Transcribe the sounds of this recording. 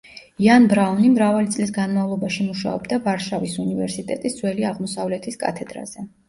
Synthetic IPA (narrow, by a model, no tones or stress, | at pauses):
ianbɾaunimɾavalit̪sʼlisɡanmavlˠɔbaʃimuʃa̰ɔ̰bd̪avaɾʃavisunivɛɾsit̪ʼɛt̪ʼisdz̥wɛliaʁmɔsavlɛt̪ʰiskʼa̰t̪ʰɛd̪ɾa̰z̥ɛ